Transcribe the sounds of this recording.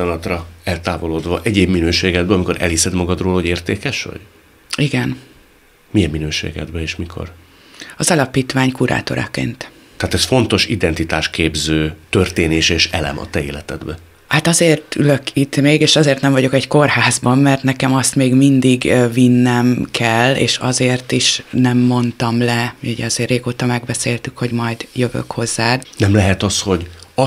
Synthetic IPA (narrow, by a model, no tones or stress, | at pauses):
iɒnɒt̪rɒɛlt̪aːvo̞loːd̪ʋɒʔɛɟeːbminøːʃeːɡɛd̪̚bɛɒmiko̞ɾʔɛ̰lhisɛd̪mɒɡɒd̪roːlɦoɟeːrt̪eːkɛʃʋɒ̰ɟ̥ | iɡɛn | mijɛmːinøːʃḛːɡɛ̰d̪bɛeːʃmikʰo̞̰r | ɒzɒlɒpiːt̪ʋaːɲkuɾʔa̰ːt̪o̞̰ɾɒ̰kḛːnt̪ | t̪ɛɦaːt̪ɛsfo̞nt̪o̞ʃid̪ɛnt̪it̪aːʃkeːbzøːt̪ørt̪eːneːʃeːʃɛlɛ̰mɒ̰t̪ɛeːlɛt̪ɛd̪bɛ | hat̪ɒzeːrt̪ylø̞kit̪meːɡeːʃɒzeːrt̪nɛɱvɒɟo̞kɛɟko̞rhaːzbɒmːɛrt̪nɛkɛmɒst̪meːɡmind̪iɡvinːɛmkʰɛlːḛːʃɒ̰zeːrt̪iʃnɛmːo̞nt̪ɒmlɛmiuɟɛ̰ɒzeːrːeːɡoːt̪ɒmɛɡ̚bɛseːlt̪ykho̞ɟmɒjd̪jøvø̰kho̞zːaːd̪nɛmlɛɦɛt̪ɒsho̞ɟɒ